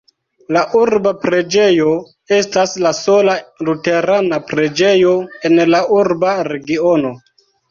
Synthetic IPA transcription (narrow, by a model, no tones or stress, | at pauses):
laʔuɾbapɾe̞d͡ʒe̞jo | e̞staslaso̞lalute̞ɾanapɾe̞d͡ʒe̞jo̞e̞nlaʔuɾbaɾe̞ɡio̞no̞